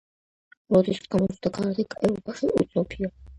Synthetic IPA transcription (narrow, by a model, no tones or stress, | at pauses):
ɾɔd̪isɡamɔsʰʼd̪akaɾd̪ikʼɛɾɔbaʃiʔut̪sʼɔpʰiɔ